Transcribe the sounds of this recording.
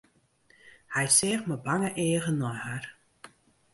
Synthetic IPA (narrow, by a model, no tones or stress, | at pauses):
hɛjsɛːxməbaŋəʔeːəɣənɔjhar